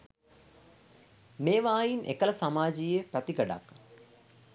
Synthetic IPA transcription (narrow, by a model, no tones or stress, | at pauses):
meːʋaːjinʔḛkəlɐsamaːd͡ʒijepæt̪iɡəɖa̰k